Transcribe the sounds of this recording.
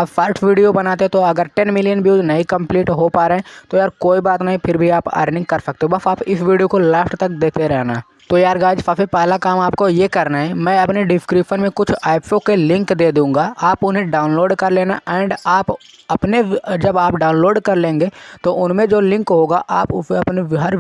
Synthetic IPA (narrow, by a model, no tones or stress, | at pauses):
aːpfɐɾʈʰʋiːɖijobɐnaːt̪et̪oɐɡəɾʈɛnmɪlijənbjuːd͡ʒnɐɦĩkɐ̃mpliːʈɦopaːɾeɦɛ̃t̪ojaːɾkoːibaːt̪nɐɦĩpʰɪɾbʱiaːpa̰ːɾnɪ̃ŋkkɐɾsɐk̚t̪eɦõbɐsaːpɪsʋiːɖijokolɛːfʈt̪ɐk̚d̪eːt̪eɾɛɦnaː | t̪ojaːɾɡaːd͡ʒfaːfipɛːlakaːmaːpkojekɐɾnaɦɛmɛ̃ːɐpneɖɪskɾiːʃənmẽkʊt͡ʃʰaːɪpʰokelɪ̃ŋkd̪eːd̪ũːŋɡaːaːpʊnɦẽɖaːʊnloːɖkɐɾleːna̰ʔɛ̃ːɳɖaːp | ɐpned͡ʒɐbaːpɖaːʊnloːɖkɐɾlẽːŋɡeːt̪oʔʊnmẽd͡ʒoːlɪ̃ŋkɦoːɡaʔaːpɐpneɦɐɾ